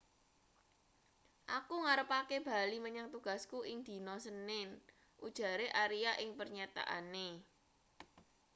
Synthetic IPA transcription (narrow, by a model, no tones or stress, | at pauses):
ʔakuŋaɾəpakeb̥a̤liməɲaŋt̪uɡ̥a̤skuʔɪŋd̪̥i̤nɔsənɪn | ʔud̥ʒ̥ä̤ɾeʔaɾijaʔɪŋpərɲat̪a̰ʔa̰ne